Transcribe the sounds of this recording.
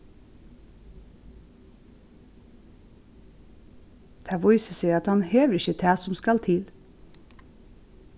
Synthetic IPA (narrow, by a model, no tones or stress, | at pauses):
t̪ʰæʋɔʏsəsɛɪɑt̪hɑnheːʋəɾɪçət̪ʰæːsɔmskɑlt̪ʰɪl